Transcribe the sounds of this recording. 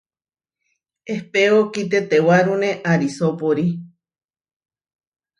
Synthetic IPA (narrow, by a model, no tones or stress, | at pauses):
ehpeokit̪̬et̪ewaɾũnẽʔaɾisopoɾi